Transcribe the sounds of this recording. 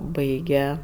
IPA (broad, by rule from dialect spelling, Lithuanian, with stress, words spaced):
ˈbɐɪɡʲɛ